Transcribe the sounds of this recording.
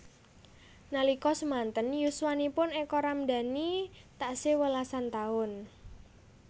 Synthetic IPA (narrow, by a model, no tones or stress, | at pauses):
nalikɔsəmant̪ənjuswanipʊnɛkɔɾamd̪a̤nit̪aʔsewəlasant̪aʊn